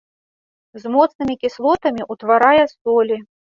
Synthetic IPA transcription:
zmɔt̪snɨmʲikʲislˠɔt̪ɐmʲiʔut̪vaɾajɛst̪ɔlʲi

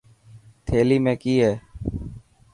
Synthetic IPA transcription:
t̪ʰeːliːmẽːkiːɦeː

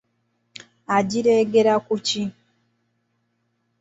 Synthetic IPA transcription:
aɟiɾeːɡeɾakuci

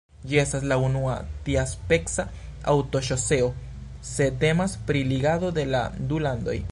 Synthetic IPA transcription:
d͡ʒiestas̬launua̰t̪iaspe̞ksa | a̰wt̪o̞ʃo̞seo | se̞t̪e̞maspɾiliɡaðo̞d̪e̞la̰d̪uland̪o̞̰j

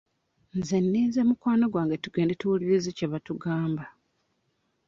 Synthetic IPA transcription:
nzenːiːzemukwaːno̞ɡwaːŋɡatuɡe̞ːndetuuliɾiziceβatuɡaːmba

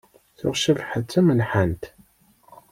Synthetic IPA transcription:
θʊ̰ʁʃəvħət͡sːæmənħant̪

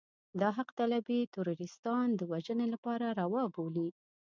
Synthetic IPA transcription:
d̪ɑɦaqt̪alabet̪ʊɾuɾɪst̪ɑnd̪əwaʒənelapɑɾaɾawɑboli

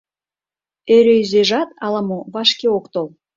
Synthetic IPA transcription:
eɾeizeʒɑt̪ɑlɑmoβɑʃkeokt̪olˠ

